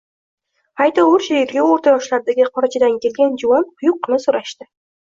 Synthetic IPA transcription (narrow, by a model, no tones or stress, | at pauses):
ajt̪aʊɾʃajeɾɡʲaoɾt̪ʰajɒʃlaɾd̪aɡʲɪqʰɒɾat͡ʃʰɪd̪ankʲʰe̞lɡʲand͡ʒʊwamqʰʊjʊqːnɪsoɾaʃt̪ɪ